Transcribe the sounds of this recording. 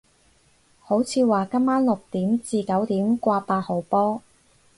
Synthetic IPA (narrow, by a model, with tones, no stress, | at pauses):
ho˨˥wt͡sʰiː˧waː˨˩kɐ˥mːaː˥nlʊ˨k̚t̪iː˨˥mt͡siː˨˧kɐ˨˥wt̪iː˨˥mkʷaː˧paː˧t̚ho˨˩wpɔː˥